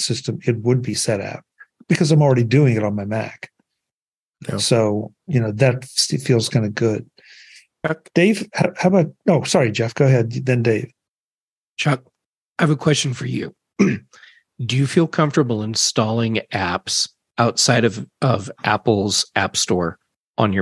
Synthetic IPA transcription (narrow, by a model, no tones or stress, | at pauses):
sɪstɨ̃mɨt̚wəd̚bisɛɾa̰ʊt̚ | b̥ɨkʰʌzãɪ̃ml̩ˠɹɛɾidʉɪ̃ŋɨɾn̩maɪmæ̰k | soʊ | jɨnoʊðɨtfilˠz̥kʰãɪ̃nɨɡʊd̥̚ | d̥eɪv̥haʊhaʊbʌoʊsɑɹid͡ʒɛfɡ̥oʊəɦɛd̪̚ðɨ̃ndeɪv̥ | t͡ʃʰɑk̚ | aɪvəkʰw̥ɛst͡ʃɨ̃n̩fə˞jʉ̰ | d̥ɨjɨfilˠkʰʌ̃ɱftə˞bl̩ˠə̃nstɔlˠɪ̃ŋæps | ʔaʊtsaɪɾʌvʌvʔæ̰pl̩ˠzʔæ̰pstɔɹ | ʔə̃njə˞